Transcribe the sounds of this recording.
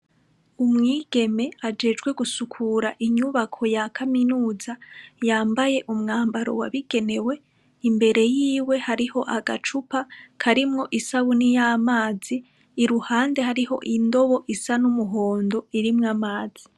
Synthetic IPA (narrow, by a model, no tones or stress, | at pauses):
umŋiːɡ̥e̞me̞ad͡ʒe̞d͡ʒɡwe̞ɡusukʰuːɾaʔiɲuβakʰo̞jakʰaminuːzajaːmbaje̞ʔumŋaːmbaɾo̞̰wa̰βiɡ̥e̞ne̞we̞ | imbe̞ɾe̞jiːwe̞haɾiho̞ʔaɡat͡ʃupakʰaɾimŋo̞ʔisaβunijamaːziː | ɾuhaːnde̞haɾiho̞̰ʔindo̞βo̞ʔisanumuɦoːndo̞iɾimŋamaːz̥i